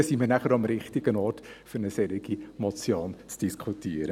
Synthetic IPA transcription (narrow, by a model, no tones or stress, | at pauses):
simənæχəɾɑmɾɪχtɪɡ̥ənɔːrtfʏɾnəsɛɾɪɡ̥imɔt͡sjoːnt͡sd̥iskʰutiəɾə